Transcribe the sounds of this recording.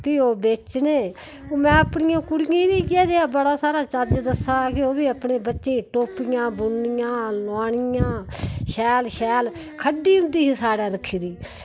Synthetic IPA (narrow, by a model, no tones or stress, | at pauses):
piːoːbeːt͡ʃneː | mɛ̃ːəpɳɪjãːkʊɽɪjãːbiːkɪaːd̪eːaːbəɽaːsaːɾaːt͡ʃəd͡ʒd̪əsaːkɪoːbiːəpɳeːbətːʃẽːʈoːpɪjãːbʊnːɪjãːlaːɳɪjãːʃɛːlʃɛːlkʰəɖiːɦʊ̃nd̪iːɦisaːɽaːɾəkʰːiːd̪iː